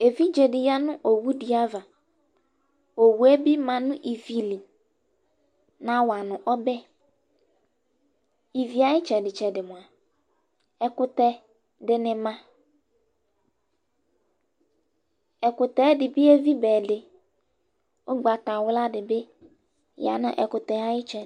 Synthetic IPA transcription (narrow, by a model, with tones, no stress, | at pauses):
e˨vi˦d͡ʒe˨dɪ˨ja˦nʊ̃˦ʔo˨wu˦di˨a˦va˨ | o˨wu˨e˦bi˦mã˨nʊ̃˦ʔi˨vi˨li˨ | nã˨˦wa˨nʊ̃˨ʔɔ˦bɛ˦ | i˨vi˨˦a˨ɪ˦t͡ʃɛ˨dɪ˨t͡ʃɛ˨dɪ˨mʊ̃˨a˨ | ɛ˨kʊ˨t̪ɛ˨ | dɪ˨nɪ̃˨mã˦ | ɛ˨kʊ˨t̪ɛ˨˦dɪ˨bɪ˦e˦vi˦bɛː˨dɪ˨ | ʊ˦ɡ͡ba˨ta˨wʊ˦la˦dɪ˨be˦ | ja̰˨nʊ̰̃˦ʔɛ˨kʊ˨t̪ɛ˨a˦jɪ˦t͡ʃɛ˨